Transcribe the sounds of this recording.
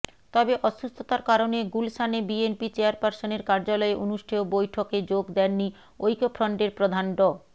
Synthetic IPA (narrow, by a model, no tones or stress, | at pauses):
t̪ɔbeʔɔʃust̪ʰot̪aɾkaɾoneɡulsanebienpit͡ɕeaɾpaɾsoneɾkaɾd͡ʑalɔeʔonuʃʈʰeobojʈʰoked͡ʑoɡd̪ɛnːi | ojkofʰɾɔɳɖeɾpɾod̪ʱanɖɔ